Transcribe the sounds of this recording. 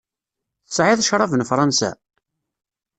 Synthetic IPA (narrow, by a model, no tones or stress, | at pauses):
θəsʕɪðˤʃɾˤɑvənfɾˤɑnsæ̰